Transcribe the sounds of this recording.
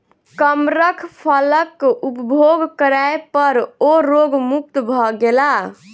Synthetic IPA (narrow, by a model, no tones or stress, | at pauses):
kəmɾəkʰpʰələkupbʱoɡkəɾaepəɾoɾoɡmuk̚t̪bʱɔɡela